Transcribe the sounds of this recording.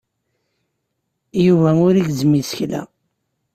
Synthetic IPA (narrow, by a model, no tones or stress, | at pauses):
juvæmʊɾiɡzmisəçlæ̰